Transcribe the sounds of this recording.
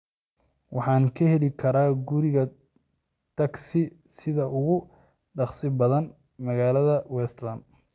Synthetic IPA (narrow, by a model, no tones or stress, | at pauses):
wʔɑħɑːnkʰɐhɛlɪkʰɐɾaːɡʊɾɪɣɐ | t̪ʰɐɡsɪ | sɪðɐʔʊɣʊ | ɖɑχsɪbɐðɐn | mɐɣaːlɐðɐwɛst̪lɐnd̪